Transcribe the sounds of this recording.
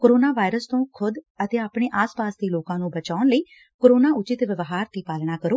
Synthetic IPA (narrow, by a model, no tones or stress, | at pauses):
koːɾoːnaːʋaːɪɾəst̪õːkʰʊd̪ət̪eːaːpɽeːʔaːspaːsd̪eːloːkãːnũːbət͡ʃaːʊnləiː | koːɾoːnaːʊt͡ʃɪt̪ʋɪʋɦaːɾt̪iːpaːlñaːkəɾoː